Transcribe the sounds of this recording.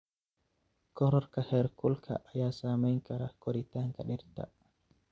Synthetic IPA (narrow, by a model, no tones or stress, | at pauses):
kɔɾɔɾkahɛɾkulkʰa̰ʔajasamajŋkaɾakɔɾit̪aŋkaɗɛɾta̰